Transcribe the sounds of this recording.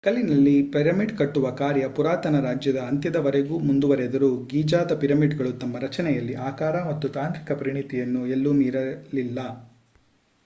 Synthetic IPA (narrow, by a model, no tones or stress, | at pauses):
kɐlːinɐlːipiɾɐmiɖkɐʈːuʋɐkaːɾjɐpuɾaːt̪ɐnɐɾaːd͡ʒjɐd̪ɐːnt̪jɐd̪ɐʋɐɾeɡuːmund̪uʋɐɾɛd̪ɐɾuɡiːd͡ʒaːd̪ɐpiɾɐmiɖɡɐɭut̪ɐmːɐɾɐt͡ʃɐnɛjɐlːiʔaːkaːɾɐmɐt̪ːut̪aːnt̪ɾikɐpɐɾiɳit̪ijɐnːuelːumiːɾɐlilːɐ